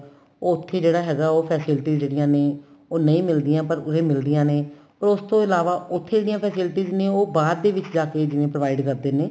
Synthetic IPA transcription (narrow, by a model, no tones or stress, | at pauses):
oːʊt̪ʰːeːd͡ʒeːɽaːɦɛːɡaːoːpʰɛːsɪlʈiːzd͡ʒeːɽɪjãːneː | oːnəĩːmɪld̪ɪjãːpəɾʊsẽːmɪld̪ɪjãːneː | ɔːɾʊst̪õːɪlaːʋaːʔʊt̪ʰːeːd͡ʒeːɽijãːpʰɛːsɪlʈiːznẽːoːbaːd̪̚ːeːʋɪt͡ʃd͡ʒaːkeːd͡ʒɪnẽːpɾəʋaːɪɖkəɾd̪eːneː